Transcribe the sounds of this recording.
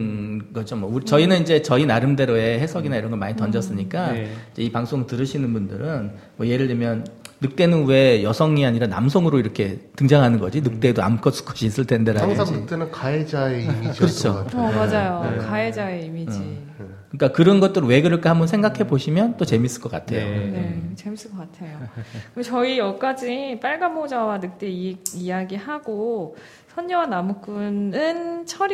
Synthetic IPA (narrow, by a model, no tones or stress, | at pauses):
ɡʌt͡ɕʰomwʌuɾit͡ɕʌinɯnind͡ʑe̞t͡ɕʌinaɾɯmde̞ɾoe̞he̞sʰʌɡinaiɾʌnɡʌmaɲitʌnd͡ʑʌs͈ɯɲik͈aid͡ʑeipaŋsʰoŋtɯɾɯɕʰinɯnbundɯɾɯn | mwʌje̞ɾɯɭdemjʌnːɯk̚t͈e̞nɯnwe̞jʌsʰʌŋiaɲiɾana̰msʰoŋɯɾoiɾʌkʰe̞tɯŋd͡ʑaŋɦanɯnɡʌ̰d͡ʑinɯk̚t͈e̞doa̰mkʰʌs͈ʰu̥kʰʌ̥ɕʰiːs͈ɯɭtʰe̞ndeɾaasʰaŋnɯk̚t͈enɯnkaed͡ʑaemid͡ʑikɯɾʌt͡ɕʰotʰːmad͡ʑajokaed͡ʑaeimid͡ʑi | ɯik͈akɯɾʌnɡʌt̚t͈ɯɾɯwe̞ɡɯɾɯɭk͈ʰehambʌnsʰe̞ŋɡakʰe̞boɕʰimjʌnt͈ot͡ɕe̞mis͈ɯɭk͈ʌk͈a̰tʰenet͡ɕe̞mis͈ɯɭk͈ʌk͈atʰe̞jokɯnet͡ɕʌijʌk͈ad͡ʑip͈aɭɡamod͡ʑawanɯk̚t͈eiijaɡihaɡo | sʰʌɲːʌwanamuk͈unɯnt͡ɕʰʌɾ